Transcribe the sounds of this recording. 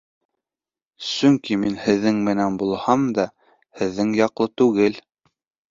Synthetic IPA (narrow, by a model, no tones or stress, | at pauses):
sɵŋkiminhɘ̆ðːɘŋmɘ̆nænbulˠhɑmd̪ɑ | hɘ̆ðːɘŋjɑqlˠɤt̪ʉɣɘl